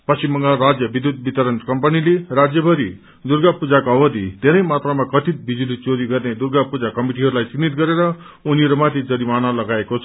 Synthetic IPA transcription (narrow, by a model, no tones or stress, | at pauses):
pʌsimbʌŋɡarad͡zjʌbid̪ʱjud̪̚bit̪ʌɾʌnkʌmpʌnilerad͡zjʌbʱʌɾḭ | d̪urɡapud͡zakoʌbʌd̪ḭd̪ʱeɾʌjmat̪rʌmakʌt̪it̪̚bid͡zulit͡soɾiɡʌrned̪urɡapud͡zakʌmiʈ̬iɦʌɾulajt͡sinit̪̚ɡʌɾeɾʌ | uniɾumat̪ʰid͡zʌɾimanalʌɡaekot͡sʰʌ